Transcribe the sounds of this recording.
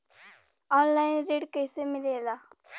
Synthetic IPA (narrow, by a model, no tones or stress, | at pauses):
ɔːnlaɪnɾeːɖkəjsemɪlela